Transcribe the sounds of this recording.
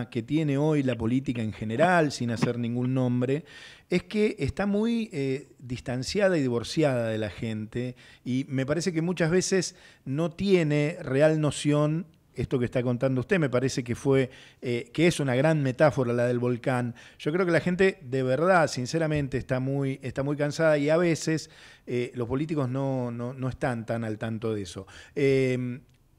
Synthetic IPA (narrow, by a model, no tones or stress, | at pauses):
ke̞t̪je̞ne̞o̞jlapo̞lit̪̬ikaeŋxene̞ɾalsinaseɾnĩŋɡunːõ̞mbɾe | eskeʔːst̪amujeðist̪ansjað̞aiðiβo̞ɾsjað̞aðelaxent̪eime̞paɾesek̬e̞mut͡ʃazβ̞e̞sesno̞t̪je̞nerealno̞sjo̞n | est̪o̞kest̪ako̞nt̪and̪oust̪e̞me̞paɾese̞kefweekeesunaɣɾanme̞t̪afo̞ɾalaðe̞lβo̞lkanʒ̥o̞kɾeo̞kelaxe̞nt̪e̞ðeβeɾð̞asinseɾamẽnt̪eːst̪amujest̪amujkansaðaiaβ̞eseselo̞spo̞lit̪̬iko̞zno̞nono̞est̪ant̪analt̪ant̪o̞ðeso̞em